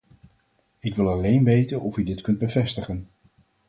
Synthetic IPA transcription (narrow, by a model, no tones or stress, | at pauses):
ɪkʋɪlˠɑlejnʋejtənɔfydɪtkɵnd̚bəvɛstəχən